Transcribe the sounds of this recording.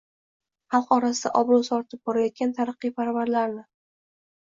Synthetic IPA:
hɑlˠqɒɾasɪd̪a̰ʔɒbɾɒsɒɾt̪ʰɪp̚bɒɾajɒt̪̚ɡʲant̪ʰaɾɨqːijpʰaɾvaɾlaɾnɪ

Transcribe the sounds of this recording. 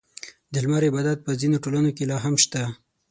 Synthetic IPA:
d̪əlmaɾebɑd̪at̪̚pəzinoʈolanokelɑɦamʃt̪a

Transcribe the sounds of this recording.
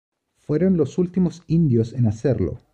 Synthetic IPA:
fweɾonlosult̪imosind̪josenaseɾlo̰

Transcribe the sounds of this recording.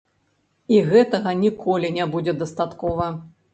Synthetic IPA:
iɣɛt̪ɐɣɐnʲikʰɔlʲinʲɛbud͡zʲɛd̪ɐst̪at̪kɔvɐ

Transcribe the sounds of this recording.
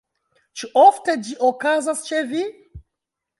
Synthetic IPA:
t͡ʃuʔofte̞d͡ʒiʔokazast͡ʃevi

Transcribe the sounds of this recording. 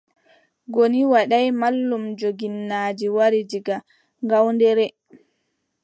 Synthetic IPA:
ɡoniwaɗajmalːumd͡ʒoɡinːaːd͡ʒiwaɾid͡ʒiɡa | ŋɡawndɛɾɛ

